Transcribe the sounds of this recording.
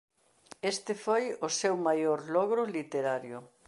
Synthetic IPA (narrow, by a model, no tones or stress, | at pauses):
est̪ɪfojʊsewmajoɾlɔɣɾʊlit̪eɾaɾjʊ